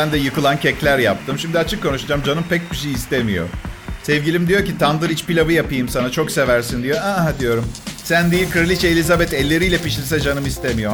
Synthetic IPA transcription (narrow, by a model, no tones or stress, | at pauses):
ænd̪ɛjɯkɯlˠancɛclʲæɾja̰p̚t̪ʰɯmʃimd̪iat͡ʃʰɯkːo̞nuʃud͡ʒamd͡ʒanɯmpɛc̚biʃejiːst̪emijo̞̰sɛvɟʲilʲimd̪ijoɾcit̪ʰand̪ɯɾit͡ʃpilʲabɯjapɯjɯmsanat͡ʃʰo̞kse̞væɾsind̪ijoad̪ijo̞ɾumsænd̪iilʲkʰɯɾlʲit͡ʃɛelʲizabɛt̪ɛlʲːe̞ɾijlʲɛpiʃlʲisɛd͡ʒanɯmist̪emijo̞